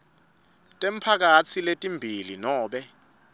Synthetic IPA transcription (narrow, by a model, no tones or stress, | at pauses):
tʼem̩pʰak̬at͡sʰiletʼimbʱilinɔːɓɛ